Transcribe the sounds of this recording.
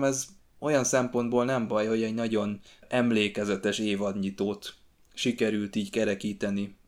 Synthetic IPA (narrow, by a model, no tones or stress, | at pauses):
mɛz | o̞jɒnsɛmpo̞nd̪boːlnɛɱbɒjho̞ɟɛɟnɒɟo̞nɛmleːkɛzɛt̪ɛʃeːvɒd̪ɲit̪oːt̪ | ʃikɛɾylt̪iːɟkɛɾɛkiːt̪ɛni